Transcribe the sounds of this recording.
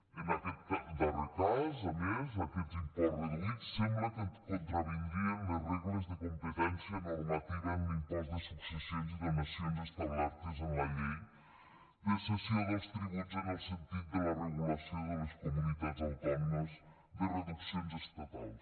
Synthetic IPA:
ənəkɛt̪̚kɛd̪ərət̪azəmezəkɛzimpoɾβəðɣisːɛmbləkəkunt̪ɾəβənd̪ɾiənləreɣləzðəkumpət̪ɛnsiənormət̪iβəːmdinpazðəsuksəsionziðəməsionzəst̪ənd̪aɾt̪əzənləʎej | d̪əsəsionəkst̪ɾəɣund͡zənəlˠsənt̪it̪̚d̪ələrəɣuləsijoðələskumunit̪ad͡zənt̪ɛɾnəz | ðərəðuksionzəst̪ət̪a̰lˠs

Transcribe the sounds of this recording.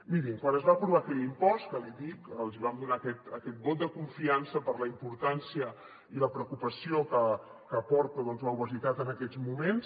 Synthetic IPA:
miɾiŋkwanəzβapɾuβakɛʎimpɔst̪kəliðikəlˠziβamd̪unakɛt̪əkɛt̪̚bot̪̚d̪əkuɱfiansəpəɾləimpuɾt̪ansiə | iləpɾəukupəsiokə | kəpɔɾt̪uðɔnzləuβəzit̪at̪ənəkɛd͡zmumens

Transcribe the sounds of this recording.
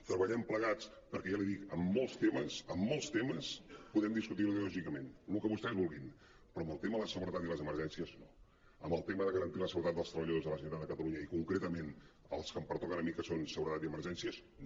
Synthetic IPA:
t̪ɾəβəʎɛmpləɣat͡s | pəɾkɛjaliðikəmːolˠst̪eməsəmːolˠst̪eməspuðɛmd̪iskut̪̬iluðlɔʒikəmenlukəβust̪ɛzβulˠɣin | pɾɔəmbəlˠt̪eməðəsəɣuɾət̪at̪iləzəməɾʒɛnsiəzno | əmbəlˠt̪eməðəɣəɾənt̪iləsəɣuɾt̪at̪d̪əlˠst̪ɾəβəʎəðozðələsənoɾad̪əkət̪əluɲəikuŋkɾet̪əmen | əlˠskəmpəɾt̪ɔkənəmikəsonsəɣuɾət̪at̪iəməɾʒɛnsiəz | n

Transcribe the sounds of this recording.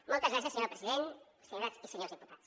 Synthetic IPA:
mɔlˠt̪ɐzɣɾas̬iəseɲoɾpɾeziðen | seɲoɾasiseɲoɾzðiput̪at̪s

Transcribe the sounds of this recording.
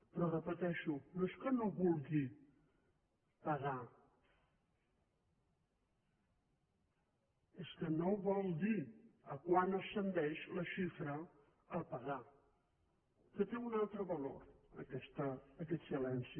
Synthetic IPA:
pɾɔrəpət̪ɛʃunoeskənoβulɣi | pəɣa | eskənoβɔlˠd̪iəkwanəsənd̪ɛʃləʃifɾə | əlˠpəɣa | kət̪eunalˠt̪ɾəβəlo̰ɾə̰kɛst̪əːkɛt̪silɛnsi

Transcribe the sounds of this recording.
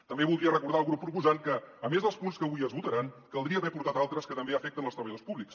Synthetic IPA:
t̪əmbeβulˠd̪ɾiərəkuɾðalˠɣɾupːɾupuzaŋkəːmezðəlˠspunskəβujəzβut̪əɾaŋkəlˠd̪ɾiəβɛpuɾt̪at̪alˠt̪ɾəskət̪əmbeəfɛk̚t̪ənəlˠst̪ɾəβəjəðospuβliks

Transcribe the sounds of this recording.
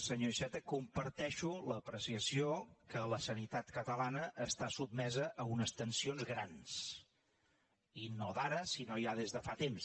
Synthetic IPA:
səɲoʃɛt̪əkumpəɾt̪ɛʃuləpɾəsiəsiokələsənit̪at̪kət̪əlanəʔəst̪asub̪̚mɛzəʔːunəst̪ənsionzɣɾans | inoðaɾəsinojaðezðəfat̪ems

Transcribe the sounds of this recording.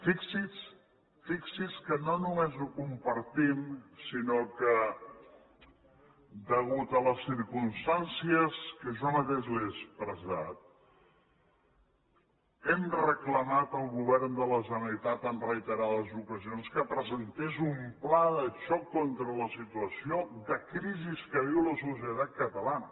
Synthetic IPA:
fiksis | fiksiskənonumezukumpəɾt̪imsinokə | d̪əɣut̪ələsiɾkunst̪ansiəskəʒomət̪eʒliespɾəzat̪̚ | ɛmrəkləmat̪əlˠɣuβ̞ɛrnd̪ələs̬ənit̪at̪ənrəit̪əɾaðəzukəzionskəpɾəzənt̪ezumplaðət͡ʃɔkːont̪ɾələsit̪uəsioðəkɾiziskəðiwləsus̬jət̪at̪̚kət̪əlanə

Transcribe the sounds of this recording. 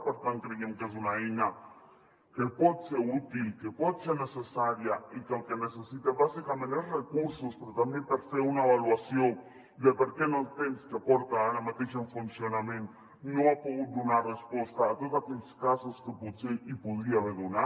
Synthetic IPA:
peɾt̪aŋkɾejemkes̬unaeɲa | kepod̪seut̪ilkepod̪senesesaɾjaikalkenesesit̪eβasikamẽneɾrekuɾsospeɾot̪ambjempeɾseunaeβalwasjoŋ | d̪epeɾkenot̪enskeapoɾt̪aːnamat̪eʃeɱfunsjonamẽn | noapoɣud̪onaɾrespwost̪aːt̪ozakenskasoskepod̪seipoðɾiaβeɾðona

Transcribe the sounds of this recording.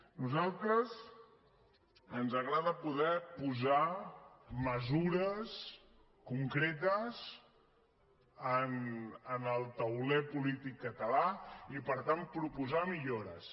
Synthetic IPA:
nuzalˠt̪ɾəz | ənzəɣɾaðəpuðɛpuza | məzuɾəs | kuŋkɾet̪əs | ənənəlˠt̪əwlɛpulit̪ikːət̪əlaipəɾt̪ampɾupuzamiʎoɾəs

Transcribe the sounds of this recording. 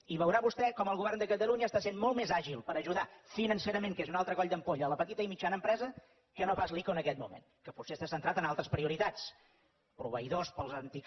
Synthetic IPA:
iβəwɾaβust̪ɛkɔməlˠɣuβɛrnd̪əkət̪əluɲəːst̪asenmɔlˠt̪mezaʒilˠpəɾəʒuðafinənseɾəmeŋkezunalˠt̪ɾəkɔʎd̪əmpoʎələpət̪it̪əimit͡ʃanəmpɾɛzə | kənopazlikoənəkɛt̪̚mumḛn | kəpusest̪asənt̪ɾat̪ənalˠt̪ɾəspɾiuɾit̪at͡s | pɾuβəiðospəlˠzənt̪i

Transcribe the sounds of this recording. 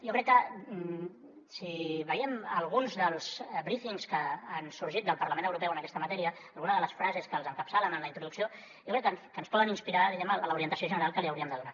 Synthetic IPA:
jokɾɛkːə | siβəiɛməlˠɣunzðəlˠsbɾifiŋskəansuɾʒit̪̚d̪əlˠpəɾrləmẽnəwɾupɛwənəkɛst̪əmt̪ɛɾiəːlˠɣunəðələsfɾazeskəːlˠzəŋkəpsalənənləint̪ɾuðuksio | jokɾɛkːənkənspɔðəninspiɾaðiɣɛmnələuɾiənt̪əsioʒənəɾalˠkəliəwɾiəmd̪əðuna

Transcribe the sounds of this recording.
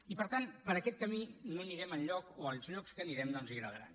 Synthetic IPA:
ipəɾt̪anpəɾəkɛt̪̚kəminumezniɾɛməlˠʎɔkoəlˠzʎɔkskəːniɾɛmd̪ɔnziɣɾəðəɾa̰n

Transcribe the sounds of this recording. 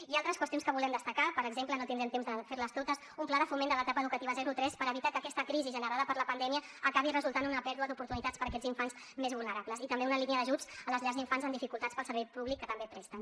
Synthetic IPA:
ialˠt̪ɾəskwəst̪jonskəβulɛmd̪əst̪əkapəɾəɡzemplənot̪ind̪ɾɛmt̪emzðəfeɾləst̪ot̪əs | umplaðəfumend̪ələt̪apəðukət̪iβəzɛɾut̪ɾɛspəɾəβit̪akəːkɛst̪əkɾiziʒənəɾaðəpəɾləpənd̪ɛmiəːkaβ̞irəzulˠt̪anunəpɛɾðuəðupuɾt̪unit̪at͡spəɾəkɛziɱfanz | mezβulnəɾaβləzit̪əmbeunəliniəðəʒud͡zələzʎaɾziɱfanzənd̪ifikulˠt̪at͡spəlˠsəɾβɛjpuβlikːət̪əmbepɾɛst̪ən

